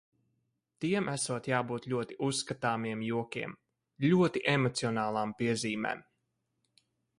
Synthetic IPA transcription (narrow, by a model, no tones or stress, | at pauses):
t̪iɛmʔæsuɔt̪jaːbuːt̪lʲuɔt̪iʔusːkat̪aːmiɛmjuɔkʲiɛm | lʲuɔt̪iʔemɔt̪siɔnaːlˠaːmpiɛziːmḛːm